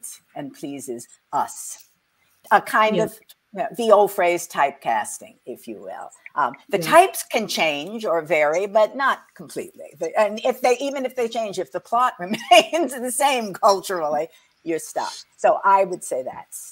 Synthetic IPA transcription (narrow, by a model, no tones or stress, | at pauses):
s | ɨ̃npʰl̥izɪz | ʌs | əkʰãɪ̃ndʌv̥ | jæðioʊlˠfɹeɪz̥tʰaɪp̚kʰæ̰stɪ̰̃ŋɪfjɨ̰wɪ̰lˠʔðɨtʰaɪpskʰɨ̃nt͡ʃʰẽɪ̃nd͡ʒə˞vɛɹibʌtⁿnət̚kʰm̩pʰl̥ḭtˡlḭðɨɨ̃nɪfðeɪʔivɨ̃nɨfðeɪt͡ʃʰẽɪ̃nd͡ʒɨfðəpʰl̥ɑt̚ɹɨmẽɪ̃nzðɨsẽɪ̃mkʰʌlˠt͡ʃə˞l̩ˠi | jə˞stʌ̰fsoʊʔaɪwɨd̥seɪðæ̰ts